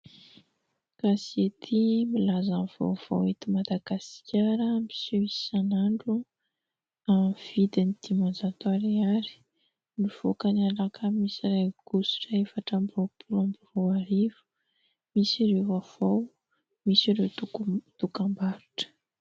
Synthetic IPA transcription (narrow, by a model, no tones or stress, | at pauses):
kasiet̪ʰimilazanv̥o̰wv̥a̰wet̪imad̪aɡaskʲaɾəmi̥suisanaɳɖ͡ʐu | amv̥id̪inid̪̥imanzat̪waɾiaɾi̥ | niv̥okanalakʰəmisiɾaɡ̥usu̥ʈ͡ʂaefaʈ͡ʂambopʰulambuvowaɾivu̥ | misiɾevav̥aw | misiɾet̪uut̪ukambaɾuʈ͡ʂə̥